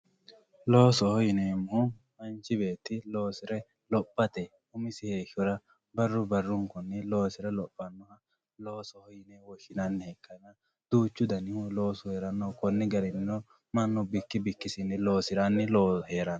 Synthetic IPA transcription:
loːsɔhɔjɪneːmːɔmɐnt͡ʃːɪbe̞ːt̪ːɪlo̞ːsɪɾɛ | lɔpʼːɐt̪ɛ | ʊmɪsɪheːʃɔɾɐ | bɐrːʊbɐrːʊŋkɔnːɪlo̞ːsɪɾɛlɔpʼːɐnːɔhɐ | lo̞ːsɔhɔjɪnewɔʃɪnɐnːɪhɛkʰːɐnɐ | d̪̥uːt͡ʃːʊd̪ɐnɪhlo̞ːsɔheːɾɐnːɔkɔnːɪɡɐɾɪnːɔ | mɐnːɔbɪkːɪbɪkːɪsɪnːɪlo̞ːsɪɾanːɪloːheːɾɐn

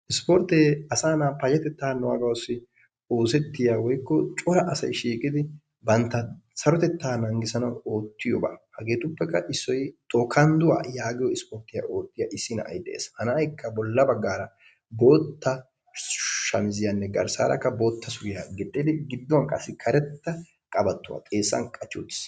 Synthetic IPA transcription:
ʔɪspɔɾt̪eːɐsaːnapɐjɐt̪ɛt̪ːaːnɔwa̰ɡɐwsːɪ | o̞ːsɛt̪ːɪjaːwɔjkːɔt͡ʃʼɔɾɐʔɐsɐjʃiːkʼɪd̪ɪ | bɐnt̪ːɐsɐɾɔt̪ɛt̪ːaːnɐŋɡɪsɐnɐwo̞ːt̪ʰːɪjɔba̰ːhɐɡe̞ːt̪ʊpːɛkːɐʔɪsːɔjt̪ʼɔːkʰɐnd̪ʊwa̰ːjaːɡɪjɔɪspɔɾt̪ːɪja̰ʔo̞ːt̪ːɪjaʔɪsːɪnɐ̰ʔɐ̰jd̪ɛʔḛːshɐnɐːjkːɐbɔlːɐbɐɡːaːɾɐ | bo̞ːt̪ːɐ | ʃɐmɪzɪjanːɛɡɐɾsa̰ːɾɐ̰kːɐbo̞ːt̪ːɐsʊɾɪjaɡɛt̪ʼːɛd̪ɛɡɪd̪ːɔwɐnkʼɐsːɪkʰɐɾɛt̪ːɐ | kʼɐbɐt̪ːʊwa̰ːkʼe̞ːsːɐ̰nkʼɐt͡ʃːut̪ːɪ̥s

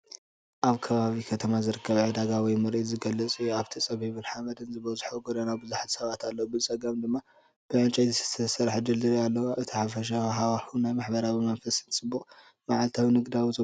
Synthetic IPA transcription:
ʔaβkʰɐβaβikʰɐt̪ʰɐmazɨɾɨkʰːɐβʕɨd̪aɡawɔjmɨɾʔizɨɡɐlːɨt͡sʼiaβt̪ʰit͡sʼɐβiβɨnħamɐd̪ɨnzɨβɐzħuɡod̪ɐnabɨzuħat̪ʰsɐβat̪alːɐwbɨlt͡sʼɐɡɐmd̪ɨmːa | b̥ɨʕɨnt͡ʃʼɐj̪ɨsɨ̥t̪ʰɐsɐɾħd͡ʒɨld̪ɨɾialːɐwɨt̪ʰiħafɐʃ̬aɦawaħunajmaħbɐɾawimɐnfɐsɨnt͡sʼɨbːuχʼ | maʕalt̪ʰawinɨɡd̪awizɨ

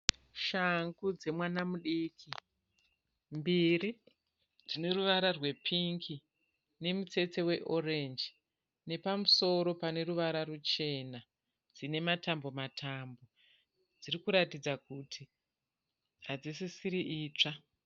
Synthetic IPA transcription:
ʃaŋɡud͡ze̞mwanamuɗiːki | mbiri | d͡zine̞ruʋaɾarwe̞pʰiŋki | ne̞mut͡se̞t͡se̞we̞ʔo̞rend͡ʒi | ne̞pamuso̞ɾo̞pane̞ɾuʋaɾarut͡ʃe̞na | d͡zine̞matambo̞matʰambo̞ | d͡zirikuɾatid͡zakutʰi | ɦad͡zisisiɾiʔiːt͡ʂa

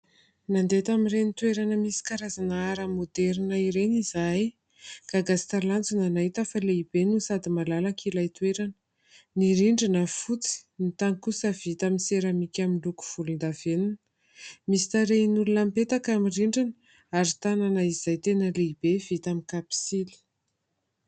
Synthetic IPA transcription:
nand̪et̪aminrenit̪weɾanəmisi̥kaɾazanaaɾamod̪ɛɾinəiɾenizaj | ɡ̥aɡast̪alant͡sunanaɦit̪əfaleibenusad̪imalalakʰilajt̪weɾanə̥ | niɾiɳɖ͡ʐinəfut͡si̥nit̪aŋkusəv̥it̪aminseɾəmikʲaminluku̥v̥ulund̪avenunə | misi̥t̪aɾeinulunampet̪akamiriɳɖ͡ʐinə | aɾit̪ananəiz̥ajt̪enəleib̥evit̪amikapi̥sili̥

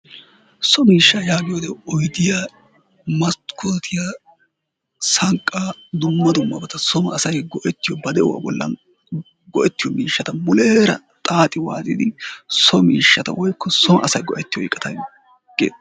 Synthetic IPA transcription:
sɔmiːʃːajaːɡɪjɔd̪ɛɔjd̪ɪja | mɐst̪kʰoːt̪ʰɪja | sɐŋkʼːaːd̪ʊmːɐd̪ʊmːɐbɐt̪ɐsɔmɐːsɐjɡɔʔɛt̪ːɪjɔbɐd̪ɛwa̰bɔlːɐ̰n | ɡɔʔɛt̪ːɪjɔmiːʃːɐt̪ɐmʊleːɾɐ̰ | t̪ʼaːt̪ʼɪwa̰ːzʼɪ̰d̪ɪsɔmiːʃːɐt̪ɐ̰wɔjkʰːɔsɔmɐ̰ʔɐsɐjɡɔ̰ʔɛt̪ːɪjɔɪkʼːɐt̪ʰɐj | ɡ̥ḛːd̪

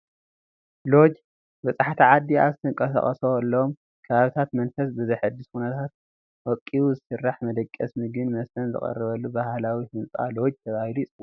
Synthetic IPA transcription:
lo̞d͡ʒ | bɐsʼaħt̪ʰiʕad̪ːia̰zɨt̪ʰɨŋkʼɐsɐ̰χʼɐsoɐlːɐom | kʰɐβaβit̪ʰat̪mɐnfɐsbɨzɐjħɨd̪ːɨskunɐt̪ʰat̪̚ | wɔkʼːiwuzɨsɨrːaħmɐd̪ɐkʼːɐsmɨɡɨnmɐst̪ʰɐnzɨ̰χʼɐ̰rːɨβɐlːubahlawifɨnt͡sʼa̰lo̞d͡ʒt̪ʰɐβahiluisʼɨwo

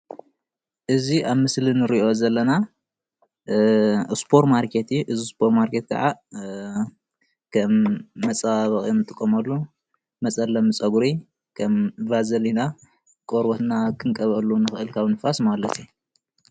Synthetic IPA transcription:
ʔɨziʔaβmɨslinɨɾiʔo̞zɐlːɐna | spʰoɾmaɾkʰet̪ʔɨzispʰoɾmaɾkʰet̪̚kʰa̰ʕa | kʰɐmːɐt͡sʼaβɐχʼjnɨt̪ʼɨkʼːɐmɐlːu | mɐt͡sʼɐlːɐmɨt͡sʼɐɡuɾi | kʰɐmvazɐlina | kʼoɾbot̪nakʰɨŋkʼɐβɐlːunɨxɨʔɨlkʰaβnɨfasmalɐt̪ʰi

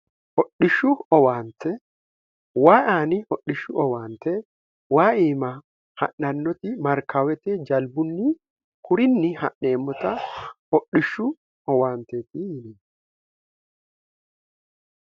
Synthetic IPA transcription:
hɔɗːɪʃːʊɔwaːnt̪ɛ | waːʔaːnɪhɔɗːɪʃʊʔɔwaːnt̪ɛ | waːʔiːmɐ | hɐ̰ʔːɐnːɔt̪ɪmɐɾkʰawɛt̪ɛd͡ʒɐlbʊnːi | kʰʊɾɪnːɪhɐ̰ʔneːmːɔt̪ɐhɔɗːɪʃːʊ | ɔwaːnt̪eːt̪ihɪniːn

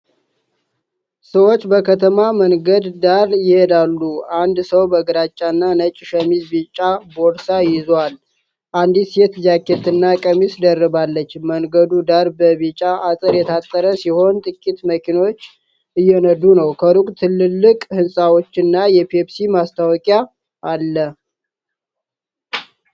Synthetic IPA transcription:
səwot͡ʃːbəkʰət̪ʰəmaməŋɡəd̪ːaɾjɪhed̪alːuand̪səwbəɡɾat͡ʃʼːanːanət͡ʃʼːɪʃəmizbit͡ʃʼːaboɾsajɪzal | ʔand̪isjɛt̪zakːet̪ɨnːakʼəmisd̪ərːɨβalːət͡ʃːməŋɡəd̪ud̪aɾbəβit͡ʃʼaʔasʼəɾjɛt̪ʰat̪ʼːəɾəsiho̞nt̪ʼɨkʼːit̪məkʰino̞t͡ʃː | ɨjːɛnəd̪unəwkʰəɾukʼt̪ʰɨlːɨlːɨkʼhɨnsʼawo̞t͡ʃːɨnːajɛpʰepsimast̪ʰawɔkʼja | ʔalːə

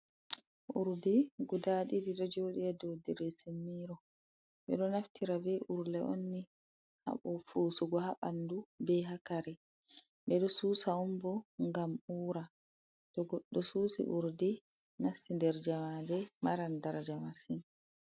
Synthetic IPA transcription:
ʔuɾdiɡudaɗidiɗɔd͡ʒoɗiɛdodɛɾɛsemːiɾɔ | ɓɛ̰ɗɔnaftʰiɾavɛʔuɾlɛʔo̰nːi | ha̰ɓɔfuːsuɡɔhaɓandubɛɦakaɾɛ | ɓɛɗɔsuːsaumbɔŋɡamuːɾa | tɔɡɔɗːɔsuːsḭʔuɾdi | nasindɛɾd͡ʒamadɛmaɾandaɾd͡ʒamasin

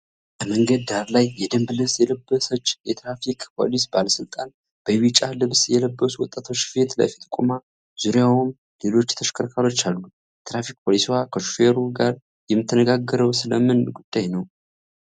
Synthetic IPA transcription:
bəməŋɡəd̪ːaɾlajːɛd̪əmblɨβsjɛləbːəsət͡ʃːjɛt̪ɾafikʼpʰo̞̰lisbaləsɨlt̪ʼan | b̥əwit͡ʃʼalɨβsjɛləbːəswɔt̪ʼːat̪ʰo̞t͡ʃːfe̞t̪la̰fet̪ʰkʷʼuma | z̥uɾjawum | le̞lo̞t͡ʃːt̪ʰəʃkʰəɾkʰalo̞t͡ʃːalːu | t̪ɾafik̚pʰolisiwakʰəʃufeɾuɡaɾ | jɛmːɨt̪ʰːənəɡaɡːəɾəwsɨləmɨnɡud̪̥ːajnəw

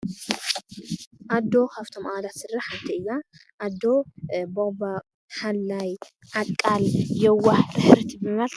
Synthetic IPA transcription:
ʔad̪ːo̞kʰaft̪ʰo̞mʔalat̪sɨrːaħant̪ʰɐɨzaʔad̪ːo̞boba | halːaj | ʔakʼːaljɛwːaħɾɨħɨɾt̪ʰibɨmɐlt̪

